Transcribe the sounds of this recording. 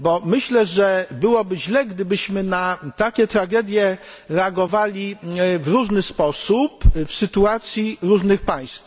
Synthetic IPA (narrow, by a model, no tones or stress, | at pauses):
bɔmɘɕlɛʐɛbɘwɔbɘʑlɛɡd̪ɘbɘɕmɘnat̪akʲɛt̪ɾaɡɛd̪ʲjɛ | ɾɛaɡɔvalʲivɾuʐnɘspɔsupfsɘt̪uat̪sʲjiɾuʐnɘxpaj̃st̪f